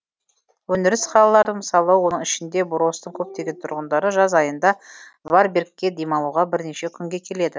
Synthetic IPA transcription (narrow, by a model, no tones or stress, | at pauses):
wɵnɪɾɪsχɑlˠɑlˠɑɾd̪əməsɑlˠəwo̞nəɴɪʃɪnd̪e̞bʊɾo̞st̪əŋkʲʰɵp̚t̪e̞ɡʲe̞nt̪ʰʊ̰ɾʁənd̪ɑɾəʒɑzɑjənd̪ɑ | vɑɾbe̞rkʲːe̞d̪e̞jmɑlˠuʁɑbɪɾne̞ʃe̞kʲʰʏŋɡʲe̞kʲʰe̞le̞d̪ɪ